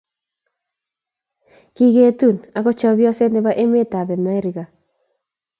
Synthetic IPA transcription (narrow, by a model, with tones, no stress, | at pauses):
ki˦ɡe˦tu˦˨na˨kɔ˦t͡ʃɔ˦bjɔ˦se˦nde˦ba˦ʔe˦me˦ta˨bɛ˨ma˦i˦ɾi˨ɡa˨